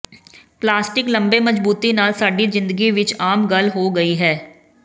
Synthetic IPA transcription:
plaːsʈɪklɐ̃mbemɐd͡ʒbuːt̪inaːlsaːɖizɪ̃nd̪əɡiʋɪt͡ʃaːmɡɐlɦoɡɐiɦɛː

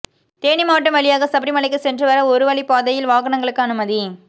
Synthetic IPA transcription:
t̪eːɳɪmaːʈːɐmʋɐɭɪjaːɣɐsɐbɾɪmɐɭɐɪkːɯsɛndrɯʋɐɾɐɔɾɯʋɐɭipaːðɐjɪlʋaːɣɐɳɐŋɡɐɭɯkːɯɐnɯmɐði

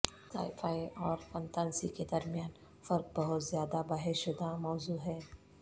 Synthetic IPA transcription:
ka̰ːɪfaːiʔɔːɾfɐ̃nt̪aːnsḭked̪ɐɾmijaːn | fɐɾk̚bɐɦʊt̪zjaːd̪abaːɦɪɾʃʊd̪amɔːzuːɦɛː

